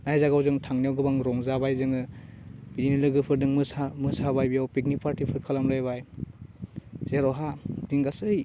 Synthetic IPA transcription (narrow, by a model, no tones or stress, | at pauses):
najzaɡawzɯŋtʰaŋnjawɡɯbaŋɾɔŋzabajzɯŋɯb̥idinilɯɡɯpʰɯɾdɯŋmɯsamɯsabajbijawpik̚nik̚pʰaɾtipʰɯɾkʰɯlamlajβaj | z̥eɾɔɦadiŋɡasɯj